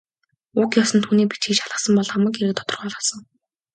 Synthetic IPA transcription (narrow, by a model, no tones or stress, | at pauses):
ʊkjɔsə̆nt̪ʰuːniːpit͡ɕɡikt͡ɕaɮə̆sə̆mpɔɮχamə̆keɾɘ̆k̚t̪ʰɔ̥t̪ɞ̆rχɔːɮʁɞ̆sə̆ŋ